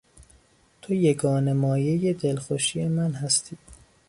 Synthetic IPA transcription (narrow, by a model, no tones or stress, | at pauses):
t̪ʰojeɡɒːne̞mɒːje̞jed̪e̞lxoʃijemænhæst̪ʰiː